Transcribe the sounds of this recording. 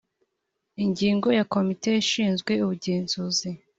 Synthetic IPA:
iɲɟiːŋɡo̞jako̞mite̞iʃiːnzɡwe̞uβuɟeːnzuzi

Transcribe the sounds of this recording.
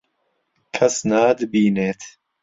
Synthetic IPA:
kʰɐsnaːd̪ɨbiːneːt̪

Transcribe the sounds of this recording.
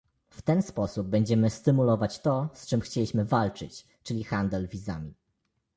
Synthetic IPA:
ft̪ɛnspɔsub̚ːɛɲd͡ʑɛmɘst̪ɘmulɔvat͡ɕt̪ɔst͡ʂɘmxt͡ɕelʲiɕmɘvalt͡ʂɘt͡ɕ | t͡ʂɘlʲixand̪ɛlvʲiza̰mʲi

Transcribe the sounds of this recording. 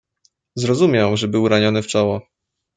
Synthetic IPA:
zɾɔzumʲjɛw̃ʐɛbɘwɾaɲɔnɘft͡ʂɔwɔ

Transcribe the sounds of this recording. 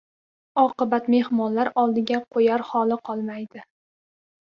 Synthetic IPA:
ɒqɨbat̪me̞hmɒnlaɾɒlˠd̪ɪɡʲaqʰojaɾhɒlɪqʰɒlˠmajd̪ɪ

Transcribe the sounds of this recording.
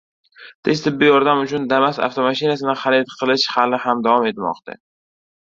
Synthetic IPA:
t̪ʰet͡ʃt̪ʰɪbːɪjɒɾd̪amʊt͡ʃʰʊnd̪amasa̰ft̪ʰomaʃɪnasɪnɪχalet̪qʰɨlˠɪʃhalɪhamd̪avɒme̞t̪mɒ̰qt̪ʰa̰

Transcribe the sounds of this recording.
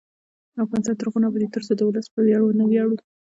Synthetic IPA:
afɣɑnɪst̪ɑnt̪əɾɣunabad̪et̪əɾsod̪əwləspəwjɑɽonəwjɑɽu

